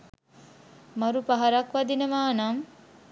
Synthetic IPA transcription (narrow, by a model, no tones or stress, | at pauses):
maɾupaɦaɾakʋad̪inəʋaːnam